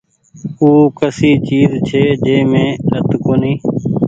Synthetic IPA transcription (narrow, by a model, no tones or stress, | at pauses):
uːkəsiːt͡ʃiːzt͡ʃʰeːd͡ʒeːmẽːɾət̪koːniː